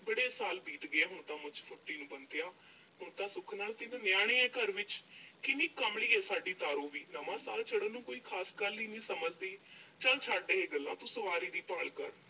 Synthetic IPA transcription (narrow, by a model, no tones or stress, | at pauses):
bəɽeːsaːlbiːt̪ɡeːɦʊɳt̪ãːmʊt͡ʃpʰʊʈːiːnũːbənt̪ejãː | ɦʊɳt̪ãːsʊkʰnaːlt̪ɪnõːnjaːɽ̃ẽːɛ̃ːkəɾʋɪt͡ʃkɪniːkəmɽiːɛːsaːɖiːt̪aːɾõːʋiːnəmãːsaːlt͡ʃʰəɽənũːkoːiːkʰaːskəlːiːnĩːsəməd͡ʒd̪iːt͡ʃə̃ːlt͡ʃʰaːɖeːɦeːɡəlːã̰ːt̪õːsəʋaːɾiːd̪iːpəɭkə̰ɾ